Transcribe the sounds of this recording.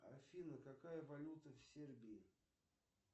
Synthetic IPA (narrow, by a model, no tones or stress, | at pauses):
ɐfʲinəkɐkajəvɐlʲut̪əfsʲerbʲɪɪ